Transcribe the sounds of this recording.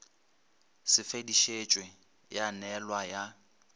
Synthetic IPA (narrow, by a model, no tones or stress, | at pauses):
sɪfediʃet͡ʃʼwɛ | janɛlwaja